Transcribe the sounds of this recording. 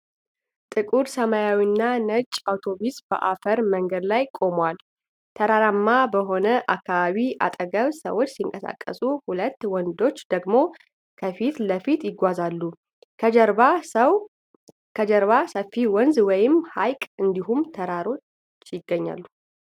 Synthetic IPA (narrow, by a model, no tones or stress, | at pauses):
t̪ʼɨkʼuɾsəmajawinːanət͡ʃʼawt̪ʰo̞βisb̥ə̰ʔafəɾməŋɡəd̪lajkʼo̞mwal | t̪ʰəɾaɾamːabəɦo̞nəʔa̰kʰːaβaβiʔa̰t̪ʼəɡəβsə̰wot͡ʃːsiŋkʼəsa̰kʼːə̰suhulət̪ːwɔnd̪o̞t͡ʃːd̪̥əɡmo̞ | kʰəfit̪ləfit̪jɪɡʷazalːu | ɾa | kʰəd͡ʒəɾβasəfːiwɔnzwɔjɪmhajkʼɨnd̪iɦumt̪ʰəɾaɾo̞t͡ʃː | jɪɡːəɲːa̰lːu